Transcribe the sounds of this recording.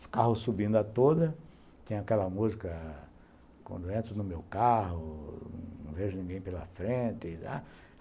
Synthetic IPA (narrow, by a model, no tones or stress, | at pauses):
skahʊsubĩnd̪ɐt̪od̪ɐ | t̪ẽɲ̃ɐakɛlɐmuzikɐ | kwɐ̰̃nd̪ʊẽnt̪ɾʊnʊmewkaɦʊñ̰w̃veʒʊnĩɡẽj̃pelɐ̰fɾẽt̪ɪla̰